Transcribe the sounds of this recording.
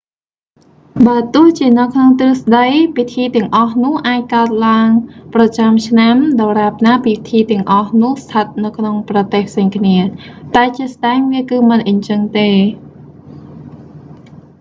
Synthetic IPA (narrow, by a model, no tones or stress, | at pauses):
ɓaət̪ʊ̆əht͡ɕiənɨwkʰnoŋt̪rɨəsɗəjpit̪ʰiːt̪ɛ̆əŋʔɑhnʊ̆əhʔaːc̚kaət̪̚laəŋprɑt͡ɕamt͡ɕʰnamɗɑːraːp̚naːpiːt̪ʰiːt̪ɛ̆əŋʔɑhnʊ̆əhst̪ʰət̪̚nɨwkʰnoŋprɑt̪eːhpʰseːŋkʰniət̪aɛt͡ɕiəsɗaɛŋʋiəkɨːmɨnʔəɲt͡ɕəŋt̪eː